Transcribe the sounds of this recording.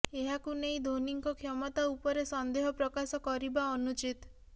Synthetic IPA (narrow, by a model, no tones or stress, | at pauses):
eɦakunej̃d̪ʱoniŋkɔkʰɔmɔt̪aupɔɾesɔnd̪eɦɔpɾɔkasɔkɔɾibaɔnut͡ʃit̪